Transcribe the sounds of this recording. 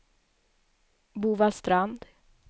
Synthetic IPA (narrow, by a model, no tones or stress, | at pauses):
buːvalst̪ɾand̪